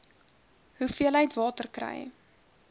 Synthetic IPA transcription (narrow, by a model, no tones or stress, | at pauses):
ɦufiələjtvɑːtərkrɛ̰j